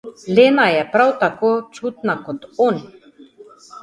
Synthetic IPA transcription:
leːnajɛpɾawt̪akoːt͡ʃut̪nakɔt̪on

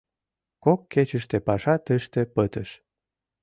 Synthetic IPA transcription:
kokːet͡ɕəʃt̪epɑʃɑt̪əʃt̪epət̪əʃ

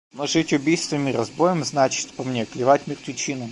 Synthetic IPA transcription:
noʐɨtʲʊbʲijst̪vəmʲiɾɐzbojəmznat͡ɕɪ̥t̪pɐmnʲeklʲɪvatʲmʲɪrt̪ʲvʲɪt͡ɕinʊ

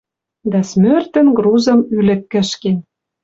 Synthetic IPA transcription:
d̪ɑsmørt̪ə̆nɡruzɤ̆mylɘ̆kːə̆ʃken

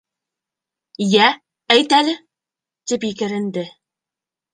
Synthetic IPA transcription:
jæ | æjt̪ælɘ | t̪ipjɘkɘ̆ɾɘ̆nd̪ɘ

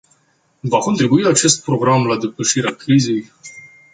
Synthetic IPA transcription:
vako̞nt̪ɾibuiat͡ʃe̞st̪̚pɾo̞ɡɾamlad̪e̞pəʃiɾeakɾize̞j

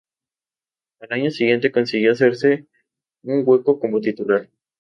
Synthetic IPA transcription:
alaɲo̞siɣje̞nt̪e̞ko̞nsiɣjoas̬e̞ɾse | uŋɡwe̞koko̞mot̪it̪ulaɾ

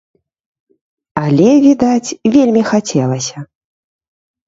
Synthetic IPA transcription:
alʲɛvʲid̪at͡sʲvʲelʲmʲixat͡sʲɛlˠɐsʲɐ

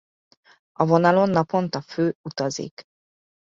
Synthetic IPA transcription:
ɒvonɒlo̞nːɒpo̞nt̪ɒføːut̪ɒzḭk

